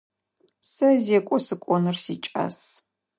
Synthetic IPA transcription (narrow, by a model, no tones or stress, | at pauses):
sɐzekʷʼɔsɨkʷʼɔnɨrsit͡ʃʼa̰s